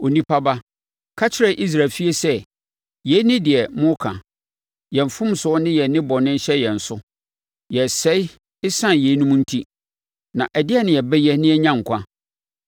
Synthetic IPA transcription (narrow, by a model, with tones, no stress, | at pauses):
o˨nĩ˦pʰa˦ba˦ | kʰa˦t͡ɕʰɪ˦ɾɛ˨ʔi˦s̬ɾa˨fi˦e˦sɛ˦ | je˨˦nɪ̃˦dɪ˨ɛ˨mʊ̃˦kʰã̰˨ | jɛ˨m˨fʊ̃˦msʊ˨˦ɔ˦nɪ̃˦jɛ˨nɪ̃˦bɔ˨nɪ̃˦n̩˦ɕɛ˦jɛ̃˨n̩˨sʊ˦ | jɛ˨sɛ˨˦i˦ | ɪ˦sã˦nje˨˦nũ˦mũ˦n̩˦tʰi˦ | nã˨ʔɛ˨dɪ˦ɛ˦nɪ̃˨jɛ˨bɛ˦jɛ˦nɪ̃˦ɛ˦ɲã˦ŋ̩˨kʷʰã˦